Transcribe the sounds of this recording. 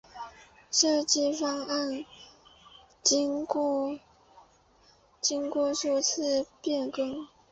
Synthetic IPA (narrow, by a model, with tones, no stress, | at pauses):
ʂɤ˥˧t͡ɕi˥˩fɑ˥ŋa˥˩n | t͡ɕi˥ŋkwɔ˥˧ʂu˥˧t͡sʰɹ̩˥˧pjɛ˥˩nkɤ˥ŋ